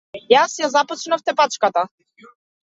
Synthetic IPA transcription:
jasjazapɔt͡ʃnaft̪ɛpat͡ʃkat̪a

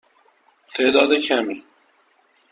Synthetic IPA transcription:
t̪eːd̪aːd̪ekʰaːmi

